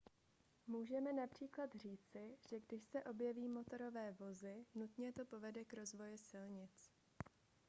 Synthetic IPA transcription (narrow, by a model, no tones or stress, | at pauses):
muːʒɛmɛnapr̝̥iːklat̪r̝iːt͡sɪʒ̥ɛɡdɪʃsɛʔo̞bjɛviːmo̞t̪o̞ɾo̞vɛːvo̞zɪnut̪ɲɛt̪o̞po̞vɛdɛkɾo̞zvo̞jɛsɪlɲɪt͡s